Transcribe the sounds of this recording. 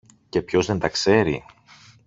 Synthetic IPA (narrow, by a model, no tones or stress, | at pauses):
ce̞pço̞zðe̞nt̪ɐkse̞ɾḭ